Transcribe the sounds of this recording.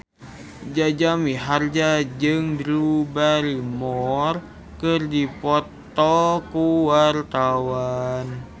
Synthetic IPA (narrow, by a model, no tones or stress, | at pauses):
d͡ʒad͡ʒamiɦard͡ʒad͡ʒɨŋdɾubaɾimɔr | kɨrdipɔt̪ɔkuwart̪awan